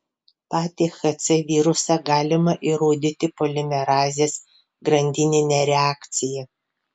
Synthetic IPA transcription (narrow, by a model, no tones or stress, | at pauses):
pɑːt̪ʲixɐt̪sʲɛʋʲiːɾʊsɐɡɑːlʲɪmɐʔiɾoːd̪ʲɪt̪ʲɪpolʲɪmʲɛɾɑːzʲeːs | ɡɾɐnʲd̪ʲɪnʲɪnʲɛɾʲɛaːkt̪sʲɪjɛ